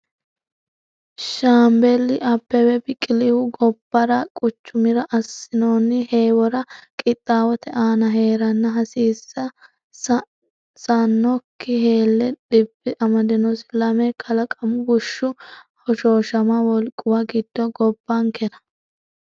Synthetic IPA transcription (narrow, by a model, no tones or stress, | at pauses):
ʃaːmbɛlːɪʔɐpːɛwɛbɪkʼɪlɪwʊɡɔbːɐɾɐkʼʊt͡ʃːʊmɪɾɐʔɐsːɪnoːnːɪheːwɔɾɐkʼɪt̪ʼːaːwɔt̪ɛʔaːnɐɦe̞ːɾɐnːɐɦɐsiːsːɐ | sɐnːɔkːɪhe̞ːlːɛᶑɪb̥ːɪʔɐmɐd̪ɪnɔsɪ̥lɐmɛkʰɐlɐkʼɐmʊbʊʃːʊhɔʃoːʃɐmɐwɔlkʼːʊwɐɡɪd̪̥ːɔɡɔbːɐŋkɛɾɐ̥